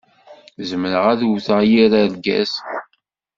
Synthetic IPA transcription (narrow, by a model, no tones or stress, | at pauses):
zəməɾəʁæðθəʁjiɾælɡæ̰s